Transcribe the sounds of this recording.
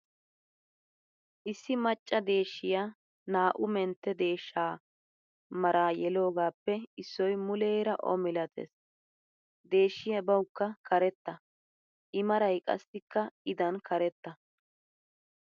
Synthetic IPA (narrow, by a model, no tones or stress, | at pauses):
ʔɪsːɪmɐt͡ʃʼːɐd̪e̞ːʃːɪjaː | naːʔʊmɛnt̪ːɛd̪e̞ːʃːaː | mɐɾaːjɛlo̞ːɡaːpːɛɪsːɔjmʊleːɾɐʔɔ̰mɪlɐt̪ʰḛs | d̪e̞ːʃːɪjɐbɐwkːɐkɐɾɛt̪ːɐ | ʔɪmɐɾɐjkʼɐ̰sːɪkːɐɪd̪ɐnkʰɐɾɛt̪ːɐ